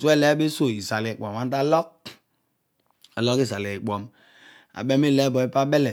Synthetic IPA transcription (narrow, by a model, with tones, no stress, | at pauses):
su˦ɛ˦˨lɛ˦be˦so˨i˨sa˨li˨k͡pɔ˨m˨a˨˦n˦da˦lɔ˦k̚ | a˨lɔ˦ki˦˨sa˨li˨i˨k͡pɔ˨m | a̰˨bɛ˦me˦˨lɛ˦bɔ˨˦i˦pa˦bɛ˦lɛ˨